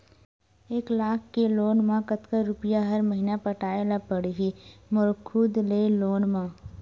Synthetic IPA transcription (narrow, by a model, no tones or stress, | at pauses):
eːklaːkʰːeloːnmãkət̪kəɾʊpɪjaɦɐɾməɦiːnapəʈaːelapəɽiɦimʊɾkʰud̪leːloːnmãː